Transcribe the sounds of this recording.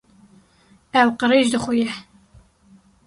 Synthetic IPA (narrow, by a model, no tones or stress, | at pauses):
ɛwqəɾeʒd̪ɨxʊjɛ